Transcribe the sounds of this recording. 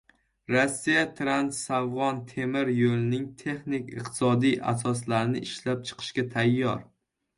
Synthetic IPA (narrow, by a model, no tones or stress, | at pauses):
ɾasːijat̪ʰɾanssavʁɒnt̪ʰe̞mɪɾjolˠɪnɪŋt̪ʰe̞χnɪkʲɨqt̪ʰɪ̥sɒd̪ijʔa̰sɒs̬laɾɪnɪʔɪʃlap̚t͡ʃʰɨ̥qʰɨ̥ʃkʲat̪ʰajːɒɾ